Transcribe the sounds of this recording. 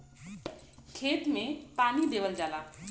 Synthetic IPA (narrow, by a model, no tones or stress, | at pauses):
kʰet̪mepanid̪ebəld͡ʒala